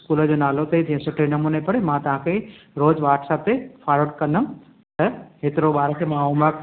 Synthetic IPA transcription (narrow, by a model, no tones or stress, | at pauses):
ɪskuːləd͡ʑoːnaːlot̪ʰed͡ʑĩɦə̃sʊʈʰenɐmuːnepɐɽemãt̪ɐʋ̤ãkʰeɾoːd͡ʑʋaːʈʰsaːb̚t̪efaːloːʈkɐ̃nd̪əm | t̪ɐɦet̪ɪɾobaːɾəkʰemãːɦumək